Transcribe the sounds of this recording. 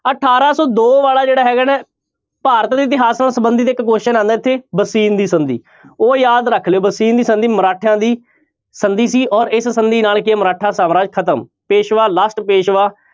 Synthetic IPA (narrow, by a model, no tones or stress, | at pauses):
əʈʰaːɾaːsɔːd̪oːʋaːlaːd͡ʒeːɽaːɦɛːɡaːnɛː | paːɾət̪d̪iːɪt̪ɪɦaːsnaːlsəbənd̪iːt̪eɪkkoːʃɪʃənãːnd̪aːɪt̪ʰːeːbəsiːnd̪iːsənd̪ḭː | oːjaːd̪ɾəkʰleːoːbəsiːnd̪iːsənd̪iːməɾaːʈʰãːd̪iː | sənd̪iːsiːʔɔːɾɪssənd̪iːnaːlkɪaːməɾaːʈʰaːsaːmɾaːd͡ʒkʰət̪əm | peːʃʋaːlaːsʈpeːʃʋaː